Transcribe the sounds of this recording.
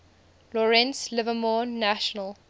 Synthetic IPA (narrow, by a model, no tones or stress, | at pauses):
lɔɹɛ̃nslɪvəmɔːæʃɔnəl